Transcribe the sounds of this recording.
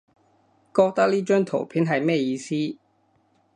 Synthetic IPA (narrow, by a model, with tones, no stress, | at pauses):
kɔː˧k̚t̪ɐ˥k̚liː˥t͡ʃœː˥ŋt̪ʰo̰˨˩wpʰiː˨˥nɦɐ˨jmɛː˥˩jiː˧siː˥